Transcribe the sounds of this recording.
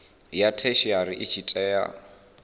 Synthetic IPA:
jatʰeʃiaɾiʔɪt͡ʃʰitʼɛːja̰

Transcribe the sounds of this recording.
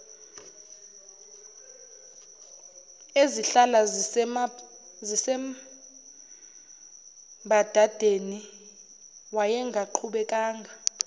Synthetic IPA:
eziɬala | zisɛm | bʱad̥ʱad̥ʱeni | wajɛŋɡʱaǃʰuɓɛkʼaːŋʱa

